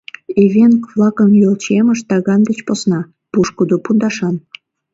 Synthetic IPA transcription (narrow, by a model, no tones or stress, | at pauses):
eβenkβlɑkəmjølt͡ɕeməʃt̪ɑɣɑnd̪et͡ɕposnɑ | puʃkud̪opund̪ɑʃɑn